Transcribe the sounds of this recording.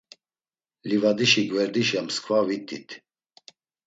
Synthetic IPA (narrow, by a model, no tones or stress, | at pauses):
livad̪iʃiɡvɛɾd̪iʃjamskʰvavit̪ʼːit̪ʰ